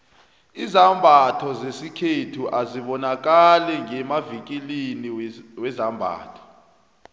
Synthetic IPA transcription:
izambʱatʰɔzesikʰetʰuʔaziɓɔnak̬alɛŋɛmavik̬ʼiliniwɛzambʱa̰ːtʰɔ̥

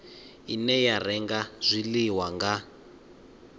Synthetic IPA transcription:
inɛjarɛŋɡaz̥ʷiliwaŋɡa

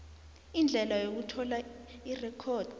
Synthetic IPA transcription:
ind͡ɮʱɛlajok̬utʰɔlairɛkʰɔːd̥

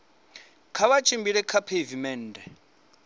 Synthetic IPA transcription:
kʰaβat͡ʃʰʼimbiɺɛkʰapʰevimɛːndɛ

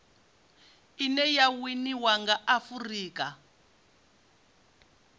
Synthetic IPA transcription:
inɛjawiniwaŋɡaʔafuriːka

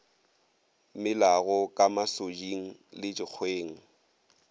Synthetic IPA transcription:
mɪlaɣɔkʼamasod͡ʒiŋ̩lɪt͡ʃʼɪk͡xʰweːŋ̩

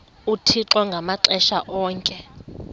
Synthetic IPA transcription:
utʰiǁwɔŋɡʱamaǁɛʃaʔɔːŋkʼɛ

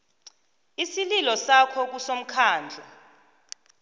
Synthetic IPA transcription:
isililɔsakʰɔk̬usom̩kʰaːnd͡ɮʱɔ

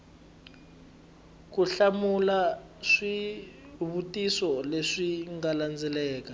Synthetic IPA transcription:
k̬uɬamula | ʂi | βutʼisɔleʂiŋɡaland͡zʱɛlɛːk̬a

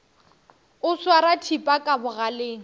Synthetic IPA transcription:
ʊswaɾatʰipʼakʼabʊɣaleːŋ̩

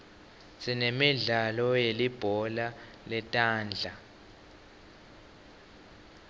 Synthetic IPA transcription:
sinemiɮalɔjelib̥ʱɔla | lɛtʼaːnd͡ɮʱa

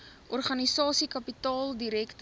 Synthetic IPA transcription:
ʔɔrχɐnisɑːsikɐpitɑːlˠdiɾɛkt

